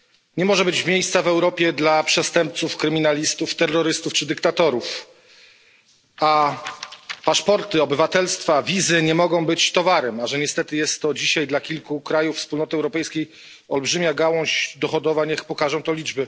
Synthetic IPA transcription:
ɲɛmɔʐɛbɘt͡ɕmʲjejssavɛwɾɔpʲjɛd̪lapʂɛst̪ɛmp̚t̪sufkɾɘmʲinalʲist̪uft̪ɛrːɔɾɘst̪uft͡ʂɘd̪ɘkt̪at̪ɔɾuf | a | paʂpɔɾt̪ɘɔbɘvat̪ɛlst̪favʲizɘɲɛmɔɡɔ̃w̃bɘt͡ɕt̪ɔvaɾɛmaʐɛɲɛst̪ɛt̪ɘjɛst̪ːɔd͡ʑiɕajd̪lakʲilkukɾajuffspulnɔt̪ɘɛwɾɔpɛjskʲej | ɔlbʐɘmʲjaɡawɔ̃ɕd̪ɔxɔd̪ɔvaɲɛxpɔkaʐɔ̃w̃t̪ɔlʲid͡ʐbɘ

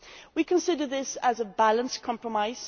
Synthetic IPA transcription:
wikʰə̃nsɪdəd̪̚ðɪsəzəbalə̃nskʰɒ̃mpʰɹəmaɪz̥

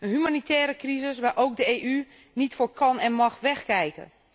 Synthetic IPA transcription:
ənɦymanitʰɛːɾəkrizɪsʋaɹʔowk̚dəeːʔy | nitfoːɹkʰɑnɛnmɑxʋɛxkɛjkə̰

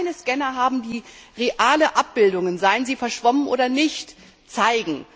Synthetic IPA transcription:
ɪnəskɛnɐɦaːbm̩diːʁeʔaːləʔap̚b̥ɪldʊŋənzaɪənziːfɛɐʃv̥ɔmənʔo̰ːdɐnɪçt | t͡saɪɡŋ̩

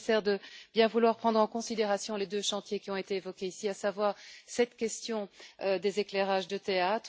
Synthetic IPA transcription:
sɛʁd̪əbjɛ̃vulwaʁpχɑ̃d̪ʁɑ̃kɔ̃sid̪eʁasjɔ̃led̪øʃɑ̃t̪jekʲiɔ̃et̪eːvɔkʲeisiasavwaːʁsɛt̪kʲɛst̪jɔ̃d̪ezekleʁaʒd̪ət̪eat̪χ

